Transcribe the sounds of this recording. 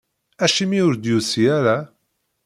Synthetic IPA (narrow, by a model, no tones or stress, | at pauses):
æʃimiʊɾd̪jusiæɾa